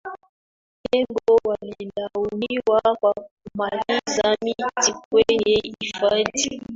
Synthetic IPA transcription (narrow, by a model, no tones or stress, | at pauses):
ɛbɔwalilawuniwakwakumalizamitik̚wejɛifati